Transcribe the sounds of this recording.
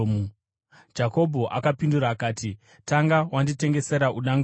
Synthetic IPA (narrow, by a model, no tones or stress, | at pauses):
d͡ʒako̞bʱo̞ʔakapinduɾaːkaːti | taŋɡawandite̞ŋɡese̞ɾaʔuɗaŋɡ